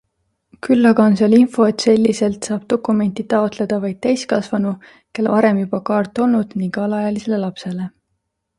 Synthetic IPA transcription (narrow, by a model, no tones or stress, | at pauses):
kylːɑɡɑonsɑlinfo̞e̞t̪se̞lʲːise̞lt̪sɑːb̥̚t̪o̞kːˑume̞nt̪it̪ɑo̞t̪le̞d̪̥ɑvɑjd̪̥̚t̪ejskɑsvɑnu | ke̞lvɑɾe̞mjub̥ɑkɑːrt̪ːˑo̞lnud̪̥niŋkɑlɑjɑlise̞le̞lɑpse̞le̞